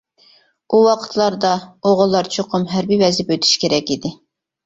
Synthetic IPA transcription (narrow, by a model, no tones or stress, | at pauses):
uwɑqʰə̥t̪ʰlˠɑɾd̪ɑoʁʊlˠːɑɾt͡ʃʰoqʰʊmɦæɾbiwɛzɪpøt̪ʰy̥ʃkʲʰeɾɛkʲid̪ɪ